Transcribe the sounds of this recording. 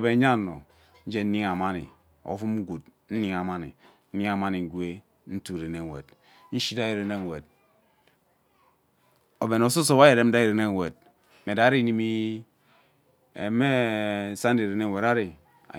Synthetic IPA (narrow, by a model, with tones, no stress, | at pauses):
be˨˦a˦˨no̰˨ | n̩˦d͡ʒe˦n̩˦ni˦ŋa˨ma˦nḭ˨ | o̰˨˦fu˦m̩˦ɡu˨t̚n̩˦ni˦ŋa˨ma˦nḭ˨n̩˦ni˦ŋa˨ma˦ni˨ŋ̩˨ɡwe˦ | n̩˦tu˨ɾe˨ne˨wḛ˨d | n̩˦ʃi˦da˦i˨ɾe˨ne˦˨we˨d̚ | o˨be˨no˨s̬o˦so˦ba˦je˨ɾe˦m̩˦da˦i˨ɾe˨ne˦˨we˨d̚ | me˨da˨˦ɾi˦ni˦mi˦ | ḛ˨me˦sa˦n˦di˨ɾe˨ne˦˨we˨ɾa˦ɾḭ˨